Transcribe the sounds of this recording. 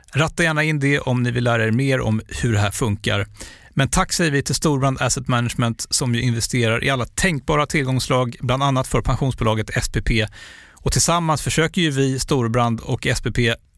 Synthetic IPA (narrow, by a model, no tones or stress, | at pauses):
ɾat̪ːajæːɳaɪnd̪ɛʔɔmnɪvɪlːæːɾaɛɾmeːɾɔ̰mhɵɖɛɦæːɾfɵŋka̰ɾ | mɛnt̪ʰakːsɛjəɾvɪt̪ʰɪlst̪uːɾbɾand̪æsɛt̪mænaʂmɛnt̪sɔmjɵʔɪnvɛst̪eːɾaɾʔɪ̰alːat̪ʰɛŋk̚bɑːɾat̪ʰɪlɡɔŋslɑːɡbland̪anːat̪fœɾpʰanɧuːnsbʊːlɑːɡət̪ɛspʰeːpʰeː | ɔt̪ʰɪlsamːansfœʂøːkəɾjɵvɪst̪uːɾbɾand̪ɔkɛspeːpʰeː